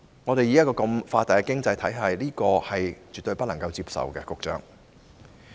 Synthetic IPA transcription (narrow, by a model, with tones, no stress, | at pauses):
ŋɔ˨˧t̪e˨jiː˨˧jɐ˥kɔː˧kɐ˧mfaː˧t̪aː˨˩jkɛː˧kɪ˥ŋt͡sɐ˧jt̪ʰɐ˨˥jɦɐ˨jliː˥kɔː˧hɐ˨jt͡ʃyː˨t̪ɵ˧ɥpɐ˥t̚lɐ˨˩ŋkɐ˧wt͡siː˧p̚sɐ̰˨wkɛː˧kʊ˨k̚t͡ʃœ̰ː˥ŋ